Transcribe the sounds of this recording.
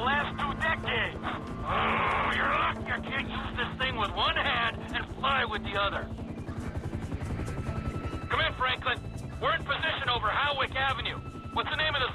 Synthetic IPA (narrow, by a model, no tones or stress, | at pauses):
læstʰudɛkeɪdz̥ | ojə˞ʌkjə˞kʰæ̃njʉzðɪsθɪ̃ŋwəðwʌ̃nhæ̃ndɨ̃nflaɪwɨðiʌðə˞ | kʰʌ̃mɨ̃nfɹæ̃ŋklɨ̃n | wɪɹɨ̃npʰɨzɪʃɨ̃noʊvə˞haʊwɪkævɨ̃njʉ | wʌtsðɨnẽɪ̃mʌvðə